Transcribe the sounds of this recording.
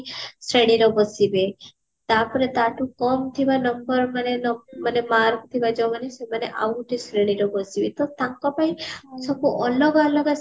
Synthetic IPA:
sɾeɽ̃iɾɔbɔsibe | t̪apɔɾet̪aʈũkɔmt̪ʰibanɔmbɔɾmanenɔmanemaɾkt̪ʰibad͡ʒɔmanesemaneʔauʈisɾeɽ̃iɾɔbɔsibet̪ɔt̪ãŋkɔpaĩsɔbuʔɔlɔɡalɔɡa

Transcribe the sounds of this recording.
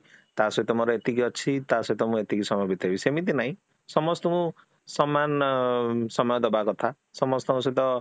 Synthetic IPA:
t̪asɔjt̪ɔmɔɾɔet̪ikiʌt͡sʰit̪asɔjt̪ɔmũet̪ikisɔmɔjbʱit̪ebisemit̪inaj̃ | sʌmʌst̪ɔkũ | sʌmːan | sʌmɔjɔd̪ɔbakɔt̪ʰa | sʌmɔst̪ɔkũs̬ɔt̪̬ʌ

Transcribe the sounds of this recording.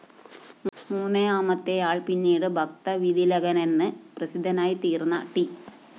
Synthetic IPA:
muːnːeaːmɐt̪ːejaːɭpinːiːɽɨbʱɐk̚t̪ɐʋid̪ʱilɐɡɐnenːɨprɐsid̪ʱːɐnaːjit̪iːrnːɐ̰ʈi

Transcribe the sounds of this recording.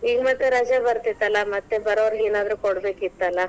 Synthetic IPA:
iːɡmɐt̪ːeɾɐd͡ʒabɐɾt̪it̪ːɐlːɐmɐt̪ːebɐɾoːʋɾɦeːnaːd̪ɾukoɽbe̞ːkit̪ːɐlːɐ

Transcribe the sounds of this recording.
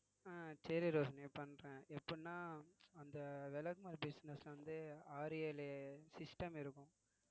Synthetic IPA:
aːt͡ʃɛɾiɾoːsɐneːpɐnːɾɛ̃ːɛpːɐnːaːɐnd̪ɐʋɛlɐkmɐɾbɪsnɛslʋɐnd̪ɯaːɾeːlesɪsʈɐmɪɾɯkːʊ̃

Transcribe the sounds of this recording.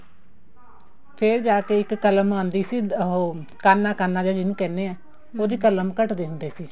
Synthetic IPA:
pʰɪɾd͡ʒaːkeːɪkːələmãːnd̪iːsiːɦoːkaːnːaːkaːnːaːd͡ʒaːd͡ʒɪnũːkɛ̃ːnːeːɛː | oːd̪iːkələmkəʈd̪eːɦʊ̃nd̪eːsiː

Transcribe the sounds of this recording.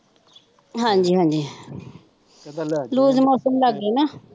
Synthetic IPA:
ɦãːɲd͡ʒiːɦãːɲd͡ʒiː | luːzmɔːsəmləɡːeːnaː

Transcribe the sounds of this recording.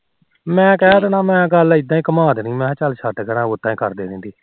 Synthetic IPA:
mɛ̃ːkɛːd̪aːnaːmɛ̃ːɡəlɪd̪ãːĩːkəmaːd̪nĩːmɛ̃ːt͡ʃəlʃʰəʈɡəɾãːʊt̪ːãːĩːkəɾd̪eːnĩːd̪iː

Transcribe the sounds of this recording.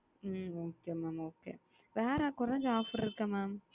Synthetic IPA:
moːkeːmaːmoːkḛː | ʋeːɾaːkʊɾɐ̃ɲd͡ʒaːfɐɾɪɾɯkːɐmaːm

